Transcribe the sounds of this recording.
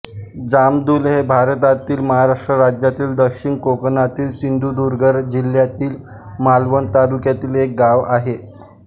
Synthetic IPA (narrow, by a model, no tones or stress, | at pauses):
d͡zamd̪uːlɦebʱaɾət̪at̪iːlməɦaɾaʂʈɾəɾad͡ʑjat̪iːld̪əkɕinkoknat̪iːlsind̪ʱud̪uɾɡʱəɾd͡ʑiljat̪iːl | malʋənt̪alukjat̪iːlek̚ɡaʋaɦe